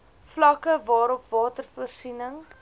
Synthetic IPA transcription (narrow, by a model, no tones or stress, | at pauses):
flɐkəvɑːɾɔpvɑːtərfuərsinəŋ